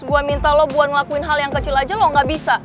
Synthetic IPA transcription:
əbuamint̪alɔbuat̪ŋlakuɪnɦaljaŋkət͡ʃilad͡ʒalɔŋɡaʔbisa

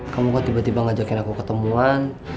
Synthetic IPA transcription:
kamukat̪ibat̪ibaŋad͡ʒakɪnakukət̪əmuan

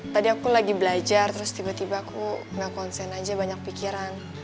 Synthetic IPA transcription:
t̪adiakulaɡibəlad͡ʒart̪əɾʊst̪ibat̪ibakʰuŋɡakɔnsɛnad͡ʒabaɲak̚pikiɾan

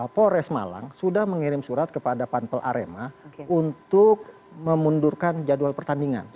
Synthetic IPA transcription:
poɾɛsma̰la̰ŋsudahməŋiɾɪmsuɾat̪̚kəpadapanpəlʔa̰ɾemaunt̪ʊk̚ | məmundurkand͡ʒadualpərt̪andiŋa̰n

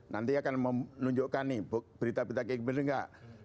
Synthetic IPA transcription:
na̰nt̪iakanmənuɲd͡ʒoʔkanibob̥əɾit̪abit̪akikəməɾəŋɡa̰ʔ

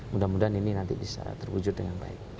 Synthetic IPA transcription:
mudamudanininant̪ḭbisa̰t̪ərwud͡ʒʊt̪̚dəŋanba̰ɪk̚

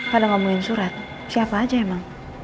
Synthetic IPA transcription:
kadaŋamuŋɪnsuɾat̪̚ | siapaːd͡ʒaɛmaŋ

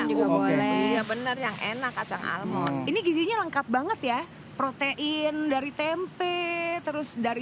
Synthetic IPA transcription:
d͡ʒuɡabolɛiɲabənərjaŋʔḛnakːat͡ʃaŋʔa̰lmɔt̪iniɡiziɲaləŋkap̚baŋət̪ja | pɾot̪eʔɪndaɾit̪empet̪əɾʊsdaɾi

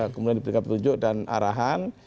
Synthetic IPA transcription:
kəmudiandipəɾikat̪̚pət̪ud͡ʒʊʔdana̰ɾaɦan

